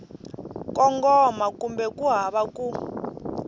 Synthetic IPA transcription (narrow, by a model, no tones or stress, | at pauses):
kɔŋɡɔmakumbɛkuɦaβaku